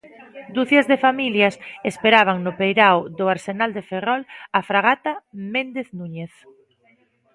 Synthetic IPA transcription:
d̪uθjazðefamiljasespeɾaβ̞aŋnʊpejɾawðʊaɾsenald̪eferɔlafɾaɣ̞at̪amend̪eθnuɲeθ

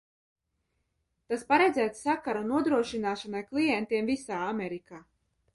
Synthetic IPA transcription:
t̪aspaɾejd̪zæːt̪ssakaɾunuɔd̪ɾuɔʃinaːʃanajklˠijɛnt̪iɛmvisaːameɾikaː

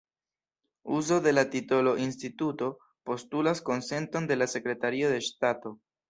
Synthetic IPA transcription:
uzo̞de̞latito̞lo̞ʔinstituto̞ | po̞stulasko̞nse̞nto̞nde̞lase̞kɾe̞taɾiode̞ʃtato̞

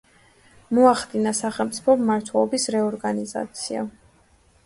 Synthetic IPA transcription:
mɔaχd̪inasaχɛlˠmt̪sʼi̥pʰɔmːaɾt̪ʰwɛlˠɔbisɾɛɔɾɡaniza̰t̪sʰia̰

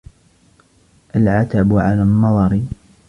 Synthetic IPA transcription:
ʔalʕat̪abʕalanːɑðˤɑɾ

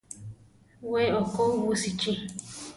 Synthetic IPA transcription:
weɔkowusit͡ʃe

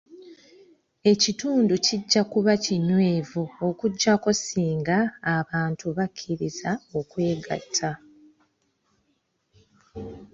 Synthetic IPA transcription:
e̞cituːnduciɟːakuβaciɲwe̞ːvuokuɟːako̞siːŋɡaːβaːntuβakʰːiɾizao̞kwe̞ːɡa̰tʰːa

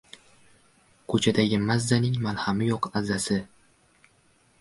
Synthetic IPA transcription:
kʰɵt͡ʃʰad̪aɡʲɪmazːanɪŋmalˠhamɪjɒqazːasɪ

